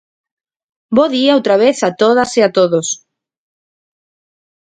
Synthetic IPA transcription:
boðiaowt̪ɾaβeθat̪oð̞asiat̪oðos

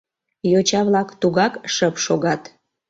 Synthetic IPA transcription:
jot͡ɕɑβlɑkt̪uɣɑkʃəpʃoɣɑt̪

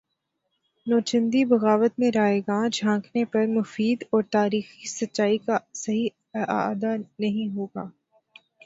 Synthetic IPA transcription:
nɔːt͡ʃə̃nd̪ibɐɣaːʋət̪mẽɾaːeɡaːd͡ʒʱãːkʰnepɐɾmʊfiːd̪ɔːɾt̪aːɾiːxisɐtːʃaːikasɐɦi | a̰d̪anɐɦĩɦoːɡaː

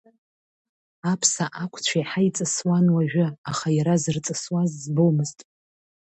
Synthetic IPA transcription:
apʰsaʔakʷʰʼt͡ɕʷʰajħait͡sʼɨswanwaʒᶣɪaχajaɾazɨrt͡sʼɨswazːbomɨztʼ

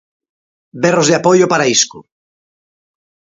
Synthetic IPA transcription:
berozðeapojopaɾaisku

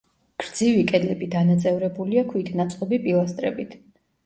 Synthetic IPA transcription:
ɡ̥ɾd̪zivikʼɛd̪lɛbid̪anat̪sʼɛvɾɛbuliakʰwit̪ʰnat̪sʼqʼɔbipʼilˠast̪ʼɾɛ̰bit̪ʰ

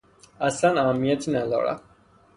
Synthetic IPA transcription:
asanaːmiɛt̪ʰinɛlɔ̰ɾa̰

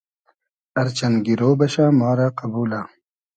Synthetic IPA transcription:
ɐɾt͡ɕɐnɡiɾoːbɐɕaːmaːɾaqɐbuːla

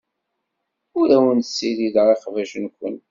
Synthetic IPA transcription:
ʊɾæwənt̪sːiliðəʁeqvæʃənkʷːə̰n

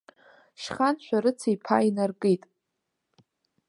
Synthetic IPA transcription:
ʃχanʃʷᶣaɾɨt͡sʰijpʰa̰inarkʼɨtʼ

